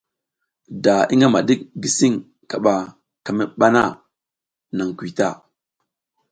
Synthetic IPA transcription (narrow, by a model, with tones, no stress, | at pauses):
da˨i˦ŋa˦ma˨di˦k̚ɡi˨si˦ŋ | ka˨ɓa˨ | ka˨mi˦ɓa˦na˦˨ | na˨ŋ˨kʷi˨ta̰˦